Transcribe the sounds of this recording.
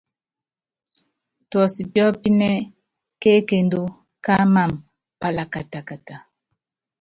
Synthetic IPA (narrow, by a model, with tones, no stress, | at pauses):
twɔ˨si˨bjɔ˦pi˦nɛ˦ | ke˦ke˨ndo˦ | ka˦ma˦˨m | pa˨la˨ka˨ta˨ka˨ta˨